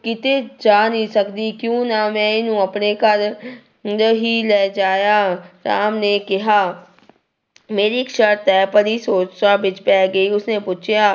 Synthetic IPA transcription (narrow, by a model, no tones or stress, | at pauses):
kɪt̪ed͡ʒaːnisɐkd̪ikjũːnamɛ̃ɪnɦũɐpnekɐɾ | ɦilɛːd͡ʒaːjaɾaːmnekɪɦaː | meːɾikʃəɾt̪ɛːpəɾisoːt͡ʃsabɪt͡ʃpɛːɡɐiʊsnepuːt͡ʃʰjaː